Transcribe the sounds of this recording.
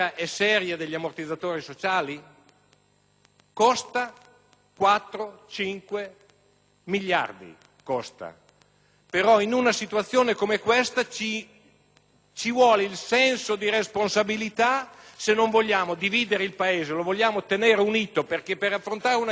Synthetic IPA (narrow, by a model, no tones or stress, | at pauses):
aʔɛsɛːɾjad̪eʎːiamort̪id̪zːat̪oːɾisot͡ʃaːli | kost̪a | kwat̪ːɾot͡ʃiŋkwe | miʎːa̰rd̪ḭ | kost̪a̰ | peɾɔinunasit̪uat̪sːjoːnekomekwest̪at͡ʃi | t͡ʃivwɔːleilsɛnsod̪iɾesponsabilit̪asenːoɱvoʎːaːmod̪iviːd̪eɾeilpaeːzelovoʎːaːmot̪eneːɾeuniːt̪operkepːeɾafːɾont̪aːɾeuna